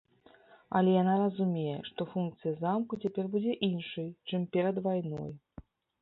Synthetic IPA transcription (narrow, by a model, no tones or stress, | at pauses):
ɐ̰lʲɛjanaɾɐzumʲejɛ̰ʂt̪ɔfunk̚t̪sɨjɐzamkut͡sʲapʲɛrbud͡zʲɛʔinʂɐjt͡ʂɨmpʲɛɾɐd̪vajnɔ̰j